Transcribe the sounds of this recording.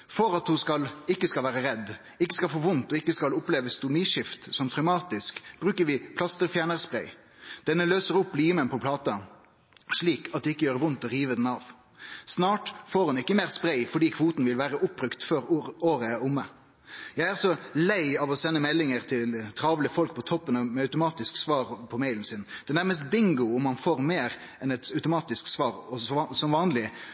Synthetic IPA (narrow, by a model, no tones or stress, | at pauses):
fɔɾɑt̪hʊskɑlɪkːəskɑlʋæːɾəɾɛd̪ | ɪkːəskɑlfoːʋʊnt̪ɔɪkːəskɑlʊpleːʋəst̪ʊmiːʃɪft̪sɔmt̪ʰɾœʉmɑːt̪ɪskb̥ʁʉːkəɾʋɪpʰlɑst̪əʁfjæːɳəʁspʁæɪ | d̪̥ɛnːəløːsəɾʊpːliːmənpʰɔpʰlɑːt̪ɑ | ʂɭiːkʰɑt̪̚d̪ɛɪkːəjøːɾəʋʊnt̪ɔʁiːʋəd̪ɛnɑːʋ | snɑːʈfoːɾhʊnɪkːəmeːʁspɾæɪfɔɖiːkʰʋuːt̪n̩ʋɪlʋæːɾəʔʊpːɾʉkt̪føːɾoːɾəæɾʊmːə | jæɪæʁsɔlæɪɑʋɔsɛnːəmɛlːɪŋəʁt̪ʰɪlt̪ʰɾɑːʋləfɔlk̚pʰɔt̪ʰɔpːənəmɛɑʉt̪ʊmɑːt̪ɪsksʋɑːɾpʰɔmæɪln̩sɪnd̪̥ɛːnæʁməst̪̚bɪŋɡʊʊmhɑnfoːʁmeːɾ | ɛnɛt̪ɑʉt̪ʊmɑːt̪ɪsksʋɑːɾɔsɔmʋɑːnlɪ